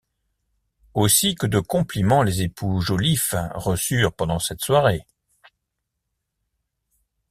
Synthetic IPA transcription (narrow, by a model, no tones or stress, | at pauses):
osikəd̪əkɔ̃plimɑ̃lezepʰuʒolifʁəsyːʁpɑ̃d̪ɑ̃sɛt̪swaʁe